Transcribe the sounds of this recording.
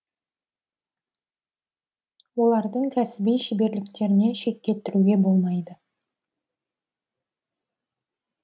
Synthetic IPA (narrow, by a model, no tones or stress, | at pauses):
wo̞lˠɑɾd̪əɴkʲʰæsɪbijʃɪbe̞ɾlɪkt̪e̞ɾɪne̞ʃe̞k̚ʲːe̞t̪ːɪɾuɡʲe̞bo̞lˠmɑjd̪ə